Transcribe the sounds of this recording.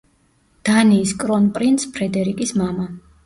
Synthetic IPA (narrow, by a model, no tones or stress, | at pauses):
d̪̥aniːskʼɾɔnpʼɾint̪spʰɾɛd̪ɛɾikʼismama